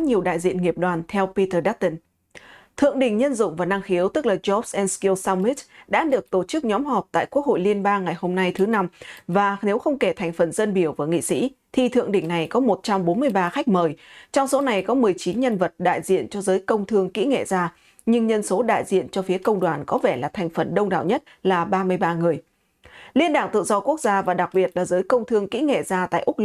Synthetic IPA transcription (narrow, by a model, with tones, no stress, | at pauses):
ɲi˨˩əwɗa̰ː˧˨jzḭ˧˨ənŋi˨˩əp̚ɗwaː˨˩nt̪ʰɛ˧wpi˧t̪əː˧ɗaː˦˥t̚t̪ə˧n | t̪ʰɨ̰˧˨əŋɗï˧˩ŋ̟ɲə˧nzʊ̰˧˨ŋ͡mvaː˨˩na˧ŋxi˨˦əwt̪ɨ˦˥k̚laː˨˩zɔ˦˥psʔɛ˧nski˧əwsaː˧wmi˦˥tɗa̰ː˧˥ɗɨ˨˩ək̚t̪o˧˩t͡ɕɨ˦˥k̚ɲɔ˨˦mhɔ˨˩p̚t̪a̰ː˧˨jku˦˥ək̚ho̰˧˨jli˧ənɓaː˧ŋːa˨˩jho˧mna˧jt̪ʰɨ˨˦na˧mvaː˨˩ne˨˦wxə˧wŋ͡mke˧˩t̪ʰa˨˩jŋ̟fə˨˩nzə˧nɓi˧˩əwvaː˨˩ŋḭ˧˨sḭ˧˥t̪ʰi˨˩t̪ʰɨ̰˧˨əŋɗï˧˩ŋ̟na˨˩jkɔ˨˦mo˨˩t̚t͡ɕa˧mɓo˨˦nmɨ˧əjɓaː˧xa˦˥k̟̚məː˨˩jt͡ɕɔ˧wŋ͡mso˨˦na˨˩jkɔ˨˦mɨ˨˩əjt͡ɕi˨˦nɲə˧nvə˨˩t̚ɗa̰ː˧˨jzḭ˧˨ənt͡ɕɔ˧zəː˨˦jkə˧wŋ͡mt̪ʰɨ˧əŋkḭ˧˥ŋḛ˧˨zaː˧ | ɲɨ˧ŋɲə˧nso˨˦ɗa̰ː˧˨jzḭ˧˨ənt͡ɕɔ˧fi˨˦əkə˧wŋ͡mɗwaː˨˩nkɔ˨˦vɛ˧˩laː˨˩t̪ʰa˨˩jŋ̟fə˨˩nɗə˧wŋ͡mɗa̰ː˧˨wɲə˦˥t̚laː˨˩ɓaː˧mɨ˧əjɓaː˧ŋɨ˨˩əj | li˧ənɗaː˧˩ŋt̪ɨ̰˧˨zɔ˧ku˦˥ək̚zaː˧vaː˨˩ɗa˨˩k̚ɓi˨˩ət̚laː˨˩zəː˨˦jkə˧wŋ͡mt̪ʰɨ˧əŋkḭ˧˥ŋḛ˧˨zaː˧t̪a̰ː˧˨ʔʊ˦˥k͡p̚l